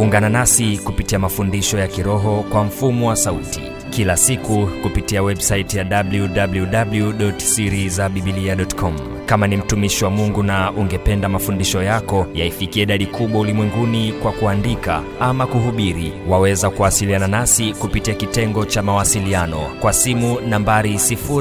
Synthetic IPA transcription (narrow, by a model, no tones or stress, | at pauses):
uŋɡananasikupitiamafundiʃɔjakiɾɔɦɔkwam̩fumɔwasautḭ | kilasikukupitiawɛɓsaitjaɗabljuɗabljuɗabljuɗɔtsiɾizaɓiɓiliaɗɔtkʰɔm | kamanim̩tumiʃiwamuŋɡunaʔuŋɡɛpɛndamafundiʃɔjakɔjaifikiaiɗaɗikuɓwaulimwɛŋɡunikwakuandika̰ | amakuɦuɓiɾiwawɛzakuasiliananasikupitiakitɛŋɡɔt͡ʃamawasilianɔkwasimunambaɾisifu